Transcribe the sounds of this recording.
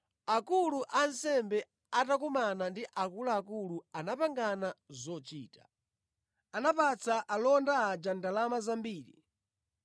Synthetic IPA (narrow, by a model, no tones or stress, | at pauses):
akuluʔansɛmbɛ | atak̬umanandiʔakulaːkuluanapaŋɡanazɔt͡ʃiːtḁ | anapat͡sʰaʔalɔndaːd͡ʒandalamazambiːɾḭ